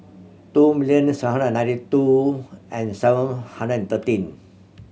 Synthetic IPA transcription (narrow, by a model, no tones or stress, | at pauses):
t̪umiliə̃nsɦãndnːãj̃ntituʔɛ̃nsɛvə̃nhãndɾəɛ̃nt̪ət̪ĩn